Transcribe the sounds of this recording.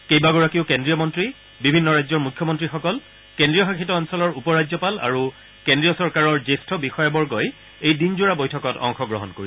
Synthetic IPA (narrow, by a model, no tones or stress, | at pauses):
kejbaɡɔɹakiʊkendɹijɔmɔntɹi | bibʱinːɔɹajzɔɹmukʰjɔmɔntɹixɔkɔl | kendɹijɔxakʰitɔɔnsɔlɔɹupɔɹajɔpala̰ɹu | kendɹijɔsɔɹkaɹɔɹzestʰɔbixɔjabɔɹɡɔj | ejdinzuɹabojtʰɔkɔtɔ̰ŋxɔɡɹɔ̰ɦɔ̰nkoɹis